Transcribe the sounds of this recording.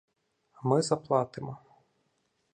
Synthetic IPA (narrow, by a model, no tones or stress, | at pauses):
mɪzɐplˠɑt̪ɪmɔ